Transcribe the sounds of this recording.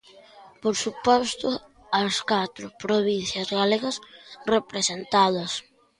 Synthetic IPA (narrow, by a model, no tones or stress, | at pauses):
poɾsupɔst̪ʊ | ɐskat̪ɾʊpɾoβin̟θjɐzɣaleɣɐsrepɾesent̪aðɐs